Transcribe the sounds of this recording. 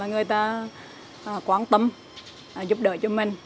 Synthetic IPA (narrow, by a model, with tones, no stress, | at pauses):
a˨jŋɨ˨˩əjt̪aː˧ | ʔːkwaː˧˦nt̪ə˧mː˨˩ | zʊ˦˥p̚ɗə̰ː˧˨˦t͡ɕɔ˧mï˨˩ŋ̟